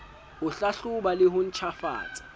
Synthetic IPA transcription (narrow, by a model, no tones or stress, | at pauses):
ʊɬaɬuɓalɪɦʊn̩t͡ʃʰafa̰ːt͡sʼḁ